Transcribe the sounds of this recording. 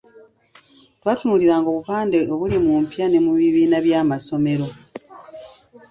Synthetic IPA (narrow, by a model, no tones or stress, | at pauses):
twaːtunuliɾaːŋɡo̞ːβupaːndeoβulimumpjane̞muβiβiːnaβjaːmaso̞me̞ɾo̞